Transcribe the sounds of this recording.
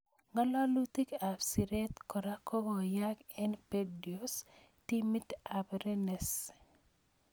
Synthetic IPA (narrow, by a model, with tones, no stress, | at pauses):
ŋa˦lɔ˦lu˦t̪i˦ka˨fsi˨ɾe˦t̪kɔ˨ɾa˦ko˦ɡo˨ja˦kɛ˦npedios | timi˦ta˨bɾe˦nɛs